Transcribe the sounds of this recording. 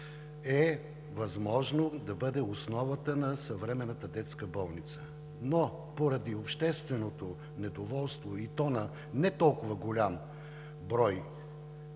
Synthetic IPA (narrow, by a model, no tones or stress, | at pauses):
ɛ | vɐzmɔʒnod̪ɐbɤd̪ɛosnɔvət̪ənɐsɐvɾɛmɛnːɐt̪əd̪ɛt̪skəbɔlˠnit̪sə̥ | no | poɾɐd̪iopʃt̪ɛst̪vɛnot̪o | nɛd̪ovɔlˠst̪voit̪ɔnə | nɛt̪ɔlˠkʊvɐɡolʲam | bɾɔj